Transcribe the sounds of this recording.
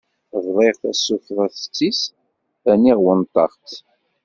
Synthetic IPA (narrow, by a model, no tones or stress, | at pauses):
vðˤeʁθæsːufʁˤæθt͡sːis | æniʁwənt̪ˤːɑ̰χt̪